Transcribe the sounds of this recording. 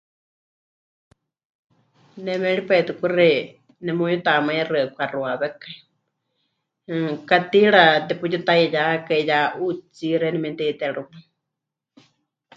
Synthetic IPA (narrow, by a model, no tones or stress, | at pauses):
nɛmɛ̃ɺipat̪ukurɛ | nɛmujut̪amaĩrɨakʷʰaruaβɛkai | kat̪iɺat̪ɛput͡ʃit̪ajijakaijaʔut͡siɾɛnɛmɛnt̪ɛt̪ɛɺumɨ